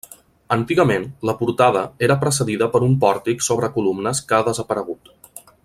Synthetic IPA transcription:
ənt̪iɣəmenləpuɾt̪aðəeɾəpɾəs̬əðiðəpəɾumpɔɾt̪iksoβ̞ɾəkulumnəskaðəzəpəɾəɣ̞ut̪

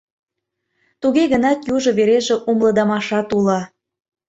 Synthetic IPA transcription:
t̪uɣeɣənɑt̪juʒɤ̆βeɾeʒĕʔumlˠɤ̆d̪ɑmɑʃɑt̪ulɑ

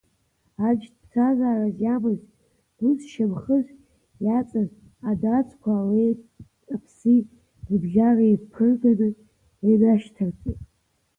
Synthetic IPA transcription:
ad͡ʒtpʰt͡sʰazaːrazjamɨz | duzʃamχəʒʷ | jat͡sʼaz | adat͡sʰʼkʷʰaːlej | apʰsi | rbʒaraizpʰɨrɡanɨ | anaʃtʰart͡sʼitʼ

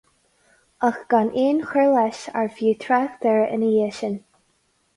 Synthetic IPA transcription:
əxɡ̥anʔeːnxɛlɛʃa̰ɹvjuːt̪ʰɹaxd̪̥ɛɹəʔɪ̰nəjeːʃən

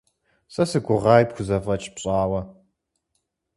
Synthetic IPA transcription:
sʼɐsɨɡʷʊʁɑːjpxʷʊzɐfɐt͡ʃʼpɕʼaːwɐ

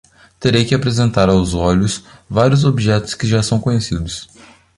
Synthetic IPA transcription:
t̪eɾejkɪapɾezẽnt̪aɾawzɔʎʊsvaɾjʊzobiʒɛt̪ʊ̥skɪʒasɐ̃w̃kõɲesid̪ʊs

